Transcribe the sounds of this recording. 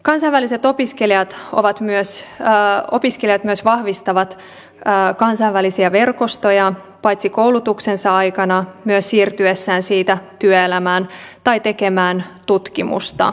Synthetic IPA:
kɑnsɑʋælise̞t̪o̞piskelijɑt̪o̞̰ʋɑt̪myøs | o̞piskelijɑt̪myøsʋɑhʋist̪ɑʋɑt̪ː | kɑnsɑʋʋælisiæʋe̞rko̞st̪o̞jɑ | pɑjt̪siko̞wlut̪uksensɑɑjkɑnɑmyøssiːrt̪yesːæːnsiːt̪æt̪yøelæmæːnt̪ɑjt̪e̞ke̞mæːnt̪ut̪kimṵst̪ɑ̰

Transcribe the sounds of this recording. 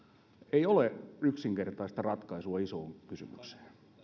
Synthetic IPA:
eioleyksiŋkert̪ɑist̪ɑrɑt̪kɑisuɑisoːŋkysy̰my̰kse̥ː

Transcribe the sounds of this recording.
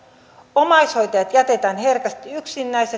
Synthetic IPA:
omɑjsho̞jt̪ɑjɑt̪jæt̪e̞t̪æːnɦe̞rkɑst̪iyksinːæjse

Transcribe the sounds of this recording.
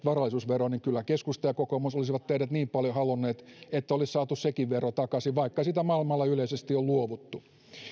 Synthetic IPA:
ʋɑrɑlːˑisuːsʋeroniŋkylːækeskust̪ɑjɑkokomusolis̬iʋɑt̪ːehidæt̪niːmpɑljohɑlunːeːt̪et̪ːæolissɑːt̪ussekiʋʋerot̪ɑkɑsiʋʋɑikːɑsit̪æmɑilmɑlːɑyleisest̪iolluoʋut̪ːu

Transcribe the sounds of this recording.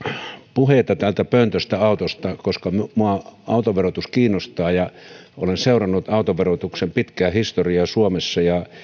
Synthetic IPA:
puhet̪ɑt̪ælt̪æpønt̪øst̪æɑˑut̪ost̪ɑkoskɑmmuɑɑˑut̪oʋerot̪uskiːnːost̪ɑːjɑo̰lenseˑurɑnːut̪ɑˑut̪oʋerot̪uksempit̪kæːhist̪oriɑsuomesːɑjɑ

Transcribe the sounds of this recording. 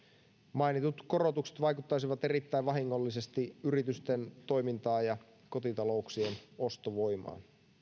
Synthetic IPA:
mɑinit̪ut̪ko̞ro̞t̪ukset̪ʋɑjkut̪ːɑjsiʋɑt̪e̞rit̪ːæjʋʋɑɦiŋːo̞lːise̞st̪iyɾit̪yst̪ent̪o̞jmint̪ɑːjɑ | ko̞t̪it̪ɑlo̞uksieno̞st̪oʋo̞jmɑ̰ːn

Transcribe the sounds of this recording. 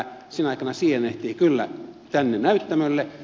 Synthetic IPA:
sinɑˑikɑnɑsiːheneht̪iːkylːæ̰t̪ænːenæyt̪ːæmølːe

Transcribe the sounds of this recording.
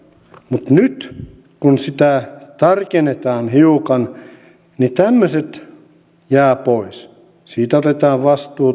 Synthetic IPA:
mut̪nyt̪ | kunsit̪æt̪ɑrkenet̪ɑːnhiukɑn | nit̪æmːøset̪ | jæːpois | siːt̪æot̪et̪ɑːʋʋɑst̪uː

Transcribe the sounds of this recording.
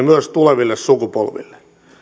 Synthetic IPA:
myøst̪uleʋilːessukupo̰lʋḭlːe̥

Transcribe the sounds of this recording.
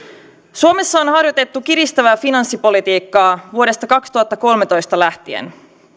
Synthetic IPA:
suo̞me̞sːɑonhɑrjo̞t̪e̞t̪ːukiɾist̪æʋæːfinɑnsːipo̞lit̪iːkːɑːʋuo̞ɾe̞st̪ɑkɑkst̪uɑt̪ːɑko̞lmet̪o̞jst̪ɑlæht̪iḛn

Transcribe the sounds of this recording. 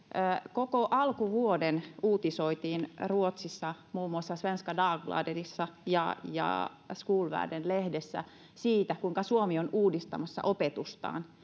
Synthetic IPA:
əkokoʔɑlkuʋuodenuːt̪isoit̪iːnruot̪sisːɑmuːmːuɑsːɑsʋenskɑdɑːɡlɑ̰derisːɑjɑ̰jɑ̰ | skuːlʋæ̰ːdenlehdesːæ̰ | siːt̪ækuiŋkɑsuomionuːdist̪ɑmɑsːɑ̰ʔopet̪ust̪ɑ̰ːn

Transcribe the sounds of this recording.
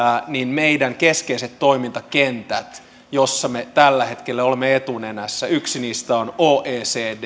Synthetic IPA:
ninmeidæŋkeskeiset̪to̞imint̪ɑkent̪æt̪ | josːɑmet̪ælːæhe̞t̪kelːæolemːeet̪unenæsːæyksiniːst̪æonoːʔeːseːd

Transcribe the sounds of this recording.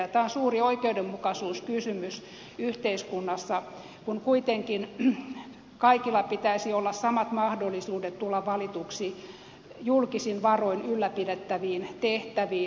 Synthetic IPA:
ɑt̪æːonsuːrioikeudemmukɑsuːskysymys | yht̪eiskunːɑsːɑ | kunkuit̪eŋkin | kɑikilːɑpit̪æisiolːɑssɑmɑt̪mɑhdolːˑisuːdet̪t̪uolːɑʋʋɑlit̪uksi | julkisinʋɑroinylːæpidet̪ːæʋiːnt̪eht̪æʋiː

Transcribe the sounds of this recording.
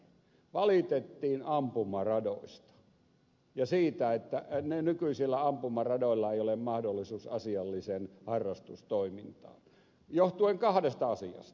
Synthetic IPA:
ʋɑlit̪et̪ːiːnɑmpumɑrɑdo̰ist̪ɑ̥ | jɑsiːt̪æet̪ːænenykyisilːæɑmpumɑrɑdoˑilːɑeijolemmɑhdolːˑisuːsɑsiɑlːisenhɑrːˑɑst̪ust̪oimint̪ɑ̰ːn | joht̪ueŋkɑhdest̪ɑɑsiɑ̰st̪ɑ̥

